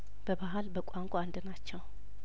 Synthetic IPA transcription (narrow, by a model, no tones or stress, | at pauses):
b̥əbaɦalbəkʷʼaŋkʷʼaand̪ɨnat͡ʃːɛw